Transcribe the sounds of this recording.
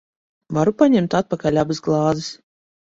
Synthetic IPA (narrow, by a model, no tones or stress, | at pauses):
vaɾupaɲʲɛmt̪at̪̚pakalʲabɨsɡlˠɑːzɨs